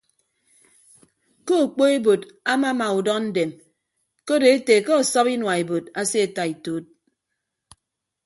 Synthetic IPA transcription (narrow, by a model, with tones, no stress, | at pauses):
ko˦o˨k͡po˦e˦bo˨da˦ma˦ma˨u˨dɔ˦kn̩˦de˨m | ko˦de˨e˦te˨ke˦ɔ˨sɔ˦pi˦nwa˨e˨bo˨ta˦se˦e˨ta˨i˨to˦t̚